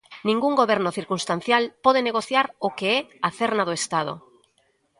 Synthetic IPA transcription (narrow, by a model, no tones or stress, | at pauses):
nĩŋɡuŋɡoβɛɾnoθiɾkunst̪an̟θjalpɔð̞eneɣoθjaɾokeɛaθɛɾnað̞oest̪að̞o̰